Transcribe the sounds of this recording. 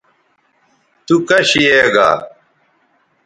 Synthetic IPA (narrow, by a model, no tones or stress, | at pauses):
t̪ukɐɕijeɡa̰